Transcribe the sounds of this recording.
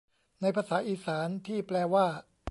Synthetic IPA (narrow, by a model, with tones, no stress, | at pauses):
na˧jpʰaː˧saː˩˦ʔiː˧˩saː˩˦nt̪ʰiː˥˩plɛː˧waː˥˩